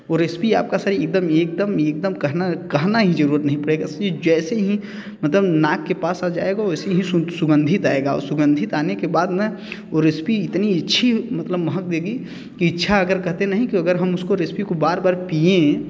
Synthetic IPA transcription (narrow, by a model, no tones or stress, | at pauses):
ɔːɾːɪspia̰ːp̚kasaːɾiek̚d̪əmeːk̚d̪əmeːk̚d̪əmkəɦnakɐɦnaɦid͡ʒəɾuɾət̪nəɦĩpɐɽeɡased͡ʒɛːseɦi | mət̪ləbnaːkːepaːsad͡ʒaːeɡaɛːseɦĩsʊɡə̃nd̪ʱɪt̪aeɡaɔ̰ɾsʊɡə̃nd̪ʱɪt̪aːnekebaːd̪mẽoɾːɪspiɪt̪niɪtːʃʰimɐt̪ləbməɦək̚d̪eːɡi | kiɪtːʃʰaɐɡəɾkɐɦt̪enəɦĩkiɐɡəɾɦəmʊskoɾɪspikobaːɾbaːɾpiẽ